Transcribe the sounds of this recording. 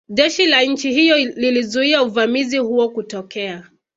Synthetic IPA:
ʄɛʃilaɲ̩t͡ʃihijɔlilizuiauvamizihuɔkutɔkɛa

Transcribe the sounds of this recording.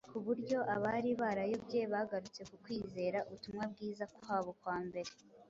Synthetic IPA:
kuβuɾɟo̞ʔaβaɾiβaːɾajo̞bɟeβaɡaɾut͡se̞kukwiːze̞ːɾaʔuβutumŋabɡiːzakwwaːβo̞kwaːmbe̞ɾe̞

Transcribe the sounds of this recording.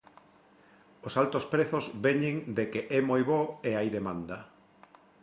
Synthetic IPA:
osalt̪ospɾeθozβeɲeŋd̪ekeʔɛmojβɔeajðemãnd̪ɐ

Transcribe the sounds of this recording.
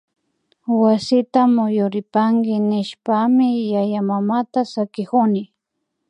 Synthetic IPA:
wasɪt̪amʊjʊɾɪpaŋkɪnɪʃpamɪjajamamat̪asakɪkʊnɪ

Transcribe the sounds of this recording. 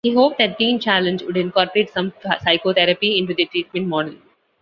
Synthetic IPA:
hiɦoːp̚d̪æʈ̚ɡĩːnt͡ʃælə̃nd͡ʒʋʊɖɪ̃nkɔːɾpəɾeːʈsʌ̃msaɪkot̪ʰɛɾəpiɪ̃ɳʈud̪iʈɾiːʈ̚mɛ̃ɳʈmɔːɖəl

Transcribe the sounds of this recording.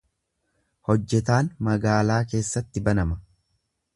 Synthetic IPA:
hɔd͡ʒːɛt̪aːnmɐɡaːlaːk̬e̞ːsːɐt̪ːɪbɐnɐmɐ

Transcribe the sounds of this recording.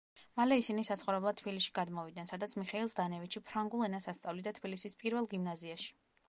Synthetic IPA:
malɛisinisat̪sχɔvɾɛblˠat̪t̪ʰbiliʃi̥ɡad̪mɔvid̪̚nɛnsad̪at̪sʰmiχɛilˠsd̪anɛvit̪t͡ʃʃʰipʰɾaŋɡulˠɛnasast̪sʼavlid̪at̪ʰbilisispʼiɾvɛlˠɡimnaziaʃi̥

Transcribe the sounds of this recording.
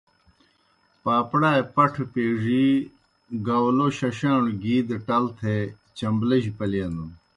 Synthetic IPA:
paːpɽaːepɐʈʰpeːʐi | ɡawloːɕɐɕaːɳɡiːd̪eʈɐlt̪ʰe | t͡ɕɐmblɐʑpɐljend̪u

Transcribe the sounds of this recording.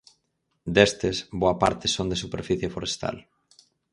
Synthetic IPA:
d̪est̪esboapa̰ɾt̪ɪsond̪esupeɾfiθjefoɾest̪a̰l

